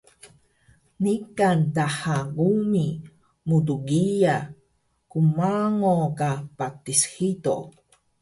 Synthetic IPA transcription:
nikantaħaɡumi | mutuɡija | kumaŋokapatisxito̰

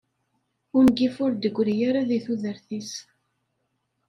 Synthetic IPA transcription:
ʊnɡifʊɾd̪əɡʷːɾijaɾaðiθuðəɾθis

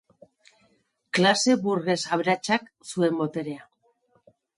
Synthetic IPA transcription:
klase̞βuɾɣe̞saβɾat͡ʃak | sue̞mbo̞t̪e̞ɾe̞a

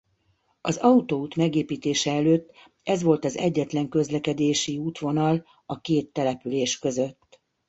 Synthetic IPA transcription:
ɒzɒut̪out̪mɛɡeːpiːt̪eːʃɛɛløːt̪ː | ɛzʋo̞lt̪ɒzɛɟːɛt̪lɛŋkø̞zlɛkɛd̪eːʃiuːt̪ʋo̞nɒl | ɒkeːt̪ːɛlɛpyleːʃkø̞zø̞t̪ː

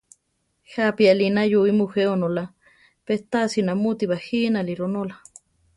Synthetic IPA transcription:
hapialinajuimuheonola | peht̪asinamut̪iβahinaliɾonola

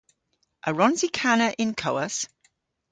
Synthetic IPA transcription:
ʔəɹɒ̃nzikʰanəʔɪ̃nkʰəʊəs

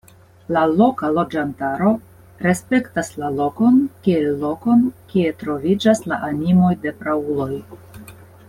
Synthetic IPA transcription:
lalo̞kalo̞d͡ʒantaɾo̞ | ɾe̞spe̞ktaslalo̞ko̞nkielːo̞ko̞nkie̞tɾo̞vid͡ʒasla̰ʔanimo̞jde̞pɾaulo̞j

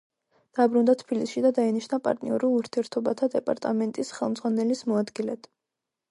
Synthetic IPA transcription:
d̪̥abɾund̪at̪ʰbilisʃid̪ad̪ainiʃnapʼa̰ɾt̪ʼnḭɔɾilˠuɾt̪ʰiɛɾt̪ʰɔbat̪ʰad̪ɛpʼa̰ɾt̪ʼamɛnt̪ʼisχɛlˠmd̪zʁwanɛlismɔad̪ɡilɛd̪̥

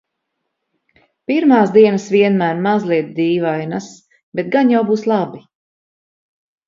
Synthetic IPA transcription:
piɾmaːsd̪iɛnəsviɛnmæːɾmazlˠiɛt̪̚d̪iːvajnas | bet̪ɡanjawbuːslˠabi

